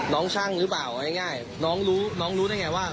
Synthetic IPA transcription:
nɔː˦˥ŋt͡ɕʰa˥˩ŋɾɯː˦˥paː˨˩wna˥˩jŋaː˥˩j | nɔː˦˥ŋɾuː˦˥nɔː˦˥ŋɾuː˦˥na˥˩jŋa˧˩waː˥˩

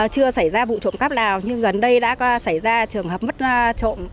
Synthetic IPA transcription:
t͡ɕɨ˧əsa˧˩jzaː˧vṵ˧˨t͡ɕo̰˧˨ŋ͡mkaː˦˥p̚ɗaː˨˩wɲɨ˧ŋɣə˨˩nɗə˧jɗa̰ː˧˥kɔ˨˦sa˧˩jzaː˧t͡ɕɨ˨˩əŋhɦə˨˩p̚mə˦˥t̚t͡ɕo̰˧˨m

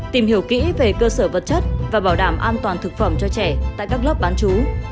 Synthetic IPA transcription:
t̪i˨˩mɦi˧˩əwkḭ˧˥ve˨˩kəː˧səː˧˩və˨˩t̚t͡ɕə˦˥t̚vaː˨˩ɓaː˧˩wɗaː˧˩mʔaː˧nt̪waː˨˩nt̪ʰɨ˨˩k̚fə˧˩mt͡ɕɔ˧t͡ɕɛ˧˩t̪a̰ː˧˨jkaː˦˥k̚lə˦˥p̚ɓaː˨˦nt͡ɕu˨˦

